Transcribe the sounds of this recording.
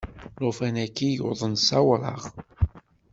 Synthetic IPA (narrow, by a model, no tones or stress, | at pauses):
lʊfænækːijo̰ðˤənsæwɾˤɑ̰ʁ